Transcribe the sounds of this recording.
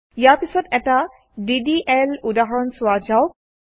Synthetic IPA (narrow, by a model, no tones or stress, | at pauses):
ijaɹpisɔtɛta | didiʔɛludaɦɔɹɔnsʊwad͡ʒaʊ